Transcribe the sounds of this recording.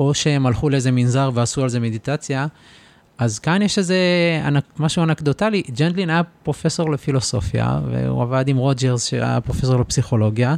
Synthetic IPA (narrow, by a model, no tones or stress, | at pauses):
ʔo̞ʃehemalχuleeze̞minzaʁveasualze̞med̪it̪at͡sja | azkanjeʃeze̞a̰namaʃuanakd̪otalid͡ʒend̪linajapʁo̞fe̞so̞ʁlefilo̞so̞fja̰vḛṵavad̪imʁo̞d͡ʒeʁzʃḛa̰ja̰pʁo̞fe̞s̬o̞ʁlepsiχo̞lo̞ɡja